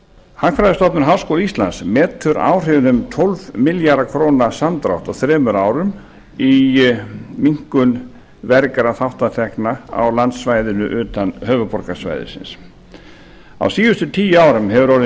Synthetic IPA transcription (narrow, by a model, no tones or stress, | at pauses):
hakfɾajðʏst̪ɔt̪nʏɾɦaːwskowlist̪la̰nsmɛːt̪ʰʏɾa̰ːwr̥ɪvnʏmt̪ʰɔlvmɪljaɾðakʰɾownasamt̪ɾa̰wht̪awθɾɛːmʏɾaːwɾʏm | i | miŋ̥kʏn | vɛɾkaɾaθawht̪at̪ʰɛknaa̰wlant̪svajðʏnʏ̰ʔʏːt̪anɦœlvapɔɾkasva̰jðɪ̰sɪ̰ns | a̰wsiːvʏst̪ʏt̪ʰiːjaːwɾʏmɦɛvʏɾɔɾ